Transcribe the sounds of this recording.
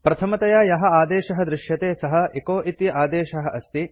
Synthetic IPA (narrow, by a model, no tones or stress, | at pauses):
pɾɐt̪ʰɐmɐt̪ɐjaːjɐɦɐ̆aːd̪eːʃɐɦɐ̆d̪ɾɪʃjɐt̪eːsɐɦɐ̆ʔekoːʔit̪jɐʔaːd̪eːʃɐɦɐ̆ʔɐst̪i